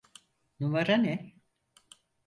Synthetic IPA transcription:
nuvaɾanɛ

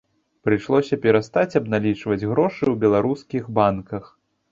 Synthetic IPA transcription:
pɾɨʂlˠɔsʲɐpʲɛɾast̪at͡sʲɐbnalʲit͡ʂvɐd͡zʲɣɾɔʂɨwbʲɛlˠaɾuskʲiɣbankɐx

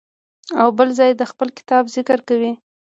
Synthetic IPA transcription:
awbəlzɑjed̪əxpəlkɪ̥t̪ɑbzɪkəɾkawi

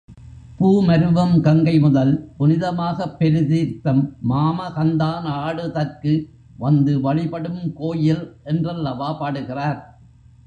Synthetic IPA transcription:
puːmɐɾɯʋɐmkɐŋɡɐɪmʊðɐlpʊnɪðɐmaːɣɐpːɛɾɯðiːɾt̪ɐmːaːmɐɣɐnd̪aːnaːɽɯðɐrkɯ | ʋɐnd̪ɯʋɐɭɪpɐɽɯmkoːjɪlʔɛndrɐlːɐʋaːpaːɽɯɣɪraːɾ

